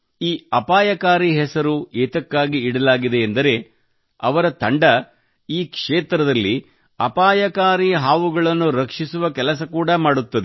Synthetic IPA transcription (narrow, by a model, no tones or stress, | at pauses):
iːɐpaːjɐkaːɾiɦɛsɐɾueːt̪ɐkːaːɡiːɽɐlaːɡid̪e̞ːnd̪ɐɾe̞ | ɐ̰ʋɐɾɐt̪ɐɳɖɐ | iːkʂeːt̪ɾɐd̪ɐlːi | ɐpaːjɐkaːɾiɦaːʋuɡɐɭɐnːuɾɐkʂisuʋɐkɛlɐs̬ɐkuːɽɐmaːɽut̪ːɐd̪e